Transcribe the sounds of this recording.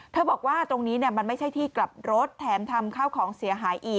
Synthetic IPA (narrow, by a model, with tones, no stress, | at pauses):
t̪ʰɤː˥˩bɔː˨˩k̚waː˥˩t̪ɾo˧ŋniː˦˥ni˥˩ɐma˧nma˥˩jt͡ɕʰa˥˩jt̪ʰiː˥˩kla˨˩p̚ɾo˦˥t̪ʰːɛː˩˦mt̪ʰa˧mkʰaː˥˩wkʰɔː˩˦ŋsi˨˩˦ɦaː˩˦jʔiː˨˩k